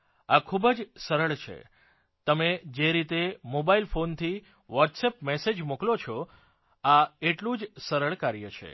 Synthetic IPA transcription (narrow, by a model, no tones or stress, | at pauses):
akʰubəd͡ʒsəɾəɭt͡ʃʰḛ | t̪əmed͡ʒeɾit̪emobailfont̪ʰi | ʋɔʈsepmɛsed͡ʒmuklot͡ʃʰɔ | aeʈlũd͡ʒsəɾəɭkaɾjət͡ʃʰḛ